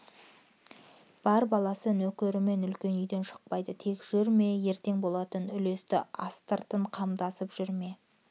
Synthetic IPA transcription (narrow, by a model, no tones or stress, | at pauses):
b̥ɑɾbɑlˠɑsənɵkʲeɾɪme̞nʏlkʲe̞nʏjd̪e̞nʃə̥q̚pɑjd̪ət̪ʰe̞kʒ̥ʏɾme̞je̞ɾt̪e̞ŋbo̞lˠɑt̪ənʏle̞st̪ɪ̰ɑ̰st̪əɾt̪əɴqʰɑmd̪ɑsəpʒ̥ʏɾme̞